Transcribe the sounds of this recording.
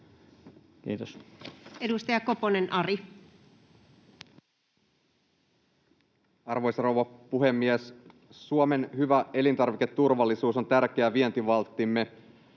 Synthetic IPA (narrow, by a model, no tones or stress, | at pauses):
kḭːt̪osedust̪ɑjɑko̞ponenʔɑri | ɑrʋo̞jsɑrowʋɑpuɦe̞mːiessuome̞nhyʋæe̞lint̪ɑrʋike̞t̪ːurʋɑlːisuːso̞nt̪ærk̟eæʋie̞nt̪iʋɑlt̪ːimːe